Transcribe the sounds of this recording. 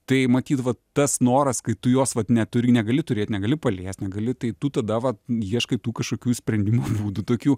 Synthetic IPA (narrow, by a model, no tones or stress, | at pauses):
t̪ɐɪmɐt̪ʲiːt̪ʋɐt̪ɐsnoːɾɐskɐɪt̪ʊjoːsʋɐt̪nʲɛt̪ʊɾʲɪnʲɛɡɐlʲɪt̪ʊɾʲeːt̪ʲnʲɛɡɐlʲɪpɐlʲeːsʲtʲnʲɛɡɐlʲɪt̪ɐɪt̪ʊt̪ɐd̪ɐʋɐjiɛʃkɐɪt̪uːkɐʃkoːkʲuːsʲpʲɾʲɛnʲd̪ʲɪmuːbuːd̪ut̪oːkʲuː